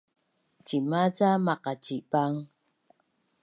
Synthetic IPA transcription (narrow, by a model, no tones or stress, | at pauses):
t͡ʃimat͡samaqat͡ʃipaŋ